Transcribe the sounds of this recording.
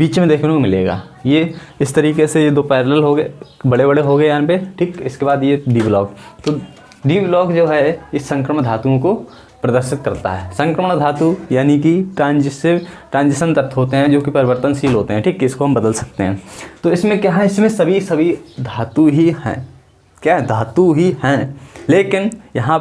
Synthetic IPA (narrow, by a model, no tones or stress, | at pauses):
biːt͡ʃmẽd̪eːkʰnekomɪleːɡa̰ː | jeɪst̪ɐɾiːkesejed̪oːpɛːɾləlɦoɡbɐɽebɐɽeɦoɡəejãːpeʈʰiːkɪskebaːd̪jeɖiːblɔːk̚t̪o | ɖiːblɔːkd͡ʒoːɦɛɪsːɐ̃ŋkɾəmə̃ɽd̪ʱaːt̪uõko | pɾɐd̪əɾʃɪt̪kɐɾt̪a̰ɦɛːsɐ̃ŋkɾəmə̃d̪ʱaːt̪ujaːnikiʈɾãːnd͡ʒɪsɪʋʈɾãːnd͡ʒɪsənd̪ɐɾt̪ʰɦoːt̪eɦɛ̃d͡ʒoːkipɐɾɪʋəɾt̪ənsiːlɦoːt̪eɦɛ̃ʈʰiːkɪskoɦɐ̃mbɐd̪əlsɐk̚t̪eɦɛ̃ːt̪oɪsmẽkjaːɦɛɪsmẽsɐbʱisɐbʱid̪ʱaːt̪uɦihɛ̰̃ː | kjaːɦɛd̪ʱaːt̪uɦihɛ̃leːkɪnjɐɦã